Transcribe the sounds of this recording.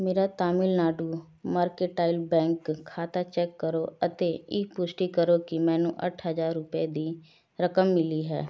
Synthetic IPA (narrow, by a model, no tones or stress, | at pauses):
meːɾat̪aːmɪlnaːɖuː | maːɾkeʈaːɪlbɛ̃ːŋkʰːaːt̪at͡ʃɛːkːəɾoːət̪eːɪːpʊsʈikəɾokimɛ̃ːnṵ̃ːʔə̰ʈʰɦəzaːɾːʊped̪iː | ɾəkəmːɪliɦɛ̰ː